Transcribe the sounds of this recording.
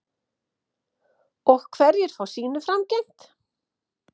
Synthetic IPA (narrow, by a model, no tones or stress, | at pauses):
ɔxkʰvɛɾjɛɾ̥fawsiːnʏfɾamcejn̥t̪